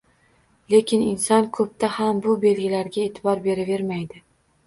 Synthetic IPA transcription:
le̞kʲɪnɪnsɒnkʰɵp̚t̪ʰahambʊbe̞lɡʲɪlaɾɡʲae̞t̪ʰɪbɒɾbe̞ɾɪve̞ɾmajd̪ɪ

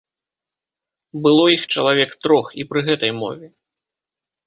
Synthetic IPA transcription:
bɨlˠɔixt͡ʂɐ̰lˠavʲɛkt̪ɾɔxipɾɨɣɛt̪ɐjmɔ̰vʲɛ

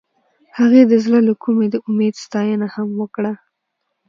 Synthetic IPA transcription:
haɣed̪əzlələkʰumed̪əʔʊmed̪st̪ɑjənahamwəkɽa

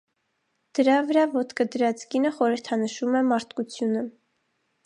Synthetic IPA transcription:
d̪̥əɾɑvəɾɑvɔt̪kʰəd̪əɾɑt͡sʰɡinəχɔɾəɾt̪ʰɑnəʃumɛmɑɾt̪kut͡sʰjunə

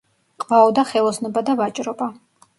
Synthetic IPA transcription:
qʼvaɔd̪aχɛlˠɔsnɔbad̪avat͡ʃʼɾɔba

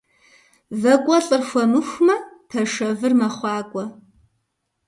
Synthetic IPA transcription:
zɐkʷʼɔɬʼɨrxʷɐnɨxʷmɐpʰɐʂɐvɨrmɐχʷɑːkʷʼɔ

